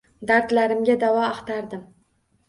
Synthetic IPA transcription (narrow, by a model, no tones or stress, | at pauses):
d̪aɾt̪laɾɪmɡʲad̪avɒɑqt̪aɾd̪ɪm